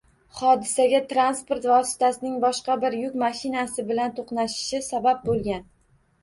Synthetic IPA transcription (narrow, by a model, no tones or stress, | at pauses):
χɒd̪ɪsaɡʲat̪ɾanspoɾt̪vɒɒsɪ̥t̪ʰasɪnɪŋbɒʃqɑbɪɾjʊkʲmaʃɪnasɪbɪlant̪ʰoqnaʃɪ̥ʃɪsabap̚bolˠɡʲan